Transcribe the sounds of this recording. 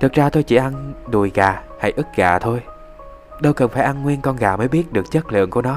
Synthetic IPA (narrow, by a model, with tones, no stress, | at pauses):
t̪ʰɨ˨˩k̚zaː˧t̪ʰo˧jt͡ɕi˧˩ʔa˧nɗu˨˩jɣaː˨˩ha̰˧˩jʔɨ˦˥t̚ɣa̰ː˧˨t̪ʰo˧j | ɗə˧wkə˨˩nfaː˧˩jʔa˧nŋwi˧ənkɔ˧nɣaː˧˩məː˨˦jɓi˦˥ət̚ɗɨ˨˩ək̚t͡ɕə˦˥t̚lɨ̰˧˨əŋku˧˩ənɔ˨˦